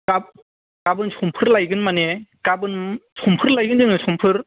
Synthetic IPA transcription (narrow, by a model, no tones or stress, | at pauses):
kap̚ | kabɯnsʰɔmpʰɯɾlajɡɯnmanekabɯnsʰɔmpʰɯɾlajɡɯndɯŋɯsɔmpʰɯɾ